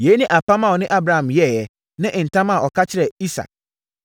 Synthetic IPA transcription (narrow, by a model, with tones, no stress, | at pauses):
je˨˦nɪ̃˦ʔa˨pʰã˦mã˨wɔ˨nɪ̃˦ʔa˦bɾa˨hã˨mjɛ˦˨jɛ˨ | nã˦ʔn̩˨tã˦ma˨ʔɔ˨kʰa˦t͡ɕʰɪ˦ɾɛ˨i˦sa̰˨k̚